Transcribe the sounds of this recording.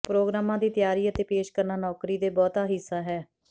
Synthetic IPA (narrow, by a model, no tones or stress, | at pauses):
pɾoːɡɾaːmãːd̪iːt̪ɪjaːɾiːət̪eːpeːʃkəɾnaːnɔːkɾiːd̪eːbɔːt̪aːɦɪsaːɦɛː